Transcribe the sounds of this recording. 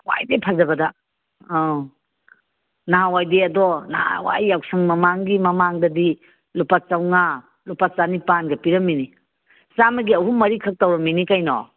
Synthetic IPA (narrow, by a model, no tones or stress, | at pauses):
wa̰jdepʰazɐbɐda | naɦawajdeɐdɔnaa̰wa̰jːawsɐŋmɐmaŋɡimɐmaŋdɐdi | lupat͡ʃawŋa | lupat͡ʃanipanɡɐpiɾɐmːini | samɐɡiɐɦumɐɾikʰɐk̚tawɾɐmːinikajnɔ̰